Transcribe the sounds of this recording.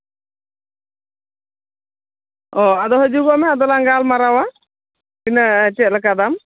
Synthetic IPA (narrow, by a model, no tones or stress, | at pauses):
ɔad̪ɔɦəd͡ʒuɡɔmɛad̪ɔlaŋɡalmaɾawa | inat͡ʃɛt̪̚lək̬ad̪am